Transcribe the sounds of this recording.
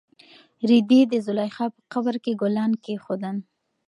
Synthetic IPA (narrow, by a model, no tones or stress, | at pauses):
ɾid̪id̪əzʊlɑjxɑpə̥qabəɾkeɡolɑnkexod̪ən